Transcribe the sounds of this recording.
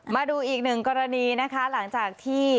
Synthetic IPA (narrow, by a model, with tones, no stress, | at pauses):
maː˧duː˧ʔiː˨˩k̚nɯ˨˩ŋkɔː˧ɾa˧niː˧na˦˥kʰa˦˥la˩˦ŋt͡ɕaː˨˩k̚t̪ʰiː˥˩